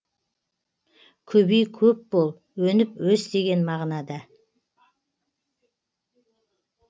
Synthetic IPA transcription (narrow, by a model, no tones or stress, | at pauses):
kʲʰɵbejkʲʰɵp̚bolˠ | wɵnɪpwɵst̪e̞ɡʲe̞nmɑʁnɑd̪ɑ